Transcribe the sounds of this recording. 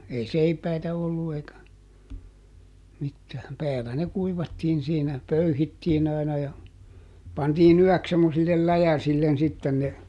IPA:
ei seipæitæ olːu eikæ mitːæːm pæːlæ ne kuiʋɑtːiːn̞ siːnæ pøyhitːiːn ɑi̯nɑ jɑ pɑntiːn yœˑks semːosilːel læjæsilːen sitːen ne

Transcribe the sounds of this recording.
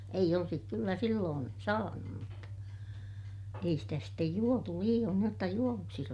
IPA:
eij olsik kylːæ silːoːn sɑːnum mutːɑ ei stæ sitːej juotu liːj̆oːn niːj jotːɑ juoʋuksis

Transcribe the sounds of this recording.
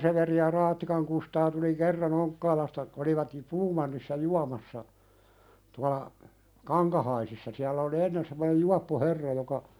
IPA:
seʋeri jɑ rɑːtːikɑŋ kustɑː tuli kerːɑn oŋkːɑːlɑstɑ oliʋɑt jŭ puːmɑnːisːɑ juɑmɑsːɑ tuɑlɑ kɑŋkɑhɑisisːɑ siælːæ oli enːen semːonej juɑpːo herːɑ jokɑ

